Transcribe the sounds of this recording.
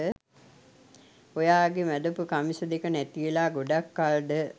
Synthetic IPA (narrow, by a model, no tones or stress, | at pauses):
ə | ojaːɡemæd̪əpukamisɐd̪ekənæt̪ielaːɡoɖakːalɖə